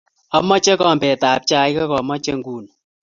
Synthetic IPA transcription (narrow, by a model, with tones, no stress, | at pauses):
ɔ˦mɔ˦t͡ʃɛ˦kɔ˨mbɛ˨taː˨p̚t͡ʃa˦jkɛ˦kɔ˨mɔ˦t͡ʃe˦ŋɡuː˨n